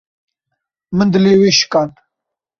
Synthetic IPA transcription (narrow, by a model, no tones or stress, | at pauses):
mənd̪ɨleːweːʃkan